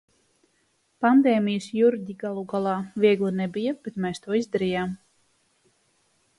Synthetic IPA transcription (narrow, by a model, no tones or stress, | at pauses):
pand̪eːmijəsjuɾd̪ʲiɡalˠuɡalˠɑːviɛɡlˠinɛbijab̥et̪mɛːst̪uɔizd̪aɾijaːm